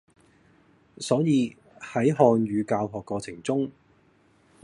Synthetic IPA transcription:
sɔː˨˥jiː˧ | hɐ˨˥jɦɔː˧nɥyː˨˧kaː˧wɦɔː˨kːɔː˧t͡sʰɪ˨˩ŋt͡sʊ˥ŋ

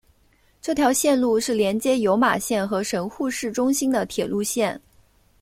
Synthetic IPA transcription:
ʈ͡ʂɤ˥˩t̪ʰjɑ˧˥ʊɕjɛ˥˧nlu˥˧ʂɻ̩˥˩ljɛ˧˥nt͡ɕjɛ˥jo˧˥ʊma̰˨˩ɕjɛ˥˩nxɤ˧˥ʂə˧˥nxu˥˧ʂɻ̩˥˩ʈ͡ʂʊ˥ŋɕi˥nd̪ə˨t̪ʰjɛ˨˩lu˥˧ɕjɛ˥˩n

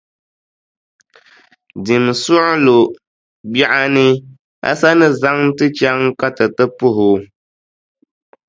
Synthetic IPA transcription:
di˨msu˦ʔlo˨ | bja˦ʔa˦nɨ˦ | a̰˦sa˦nɨ˦za˦ŋ˦tɨ˦t͡ʃa˦ŋka˦tɨ˨tɨ˦pʊ˦˨ɦʊ˨

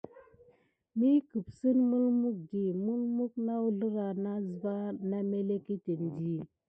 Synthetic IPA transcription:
mi˦kə˨bsə˦nmu˦lmu˦k̚ɡi˨mu˦lmu˦k̚na˦wu˨ɮə˦ɾa˨na˦zə˨ba˦na˦me˦le˦ki˦te˨n˨di˦˨

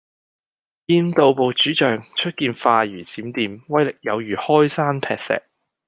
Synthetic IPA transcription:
jiː˧nt̪o˨wpo˨wt͡ʃyː˨˥t͡ʃœː˨ŋt͡ʃʰɵ˥t̚kiː˧nfaː˧jyː˨˩t͡siː˨˥mt̪iː˨mwɐ˥jlɪ˨k̚jɐ˨˧wjyː˨˩hɔː˥jsaː˥npʰɛ̰ː˨k̚sɛ̰ː˨k̚

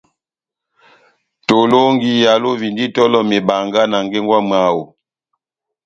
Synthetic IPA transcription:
to˨lo˦ŋɡi˦ja˨lo˦vi˨ndi˦tɔ˦lɔ˦me˨ba˨ŋɡa˦na˨ŋɡe˦ŋɡwa˦m˨a˨˦wo˨

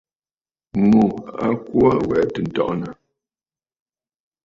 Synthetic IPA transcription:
mu˨a̰˦ku˦a˦wɛ˨˦tə˨n̩˨tɔ̰˦ʔna˨

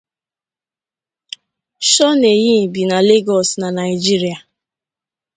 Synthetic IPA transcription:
ʃɔ˦ne˨ji˦˨bi˨na˨le˦ɡɔ˨sna˨na˨ɪ˨d͡ʒi˦ɾi˨a˨

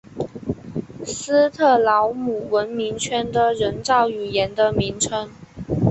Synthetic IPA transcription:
sɹ̩˥t̪ʰɤ˥˩lɑ˧˥ʊmu˨˩wə˧˥nmi˧˥ŋt͡ɕʰɥɛ˥nd̪ə˨ɻə˧˥nt͡sɑ˥˩ʊy˨˩jɛ˧˥nd̪ə˧mi˧˥ŋʈ͡ʂʰə˧˥ŋ

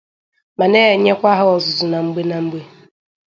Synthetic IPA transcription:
ma˨ne˦e˨ɲe˦kʷa˦ɦʊ˦ɔ˨zʊ˨zʊ˨na˨ŋ͡m̩˦ɡ͡be˦na˨ŋ͡m̩˦ɡ͡be˦

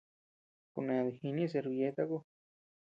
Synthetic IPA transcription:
ku˧nẽ˨ðe˧˨hi˧nĩ˦e˦s̬e˧ɾβje˧˦t̪a˦ko˦

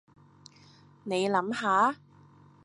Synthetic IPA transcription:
ne˨˧jlɐ˨˥mɦaː˨˥

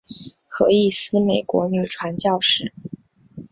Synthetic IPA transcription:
xɤ˧˥i˥˩sɹ̩˥me˨˩ɪkwɔ̰˧˥ny˨˩ʈ͡ʂʰwa˧˥nt͡ɕjɑ˥˧ʊʂɻ̩˥˩

